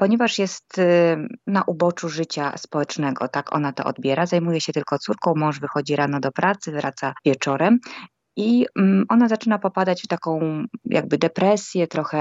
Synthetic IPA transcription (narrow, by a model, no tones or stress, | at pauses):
pɔɲɛvaʂjɛst̪ | naʔubɔt͡ʂuʐɘt͡ɕa̰spɔwɛt͡ʂnɛɡɔ̰t̪akʰɔ̰nat̪ɔ̰ʔɔ̰d̪bʲjɛɾazajmujɛɕɛt̪ɘlkɔt̪suɾkɔ̃w̃mɔ̃w̃ʐvɘxɔd͡ʑiɾanɔd̪ɔpɾʔat̪sɘvɾat̪savʲjɛt͡ʂɔɾɛm | iʔɔnazat͡ʂɘnapɔpad̪at͡ɕft̪akɔ̃w̃jʔa̰ɡ̚bɘd̪ɛpɾɛsʲjɛt̪ɾɔxɛ